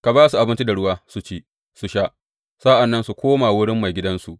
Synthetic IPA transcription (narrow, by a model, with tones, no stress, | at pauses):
ka˨baː˦su˨ʔa˨bɪ˦nt͡ʃi˦da˨ɽʊ˦waː˦su˨t͡ʃiː˦ | su˨ʃaː˦ʔ | sa˦ʔa˨nːɐ˦nsu˨kʷoː˦maː˨wʊ˦ɽɪ˦mːa˨jɡʲɪ˦dɐ˦nsu˨ʔ